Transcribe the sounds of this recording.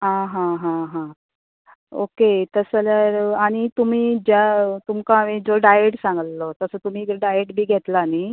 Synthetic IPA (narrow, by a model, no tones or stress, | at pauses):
ɦãɦãɦãɦã | o̰ket̪əsəljaɾaɽ̃it̪um̤iːd͡ʑjat̪umkamid͡zoɖajeʈsãŋɡəllot̪əsəːt̪um̤iːkɾɖajeʈbʱiːɡʱet̪lani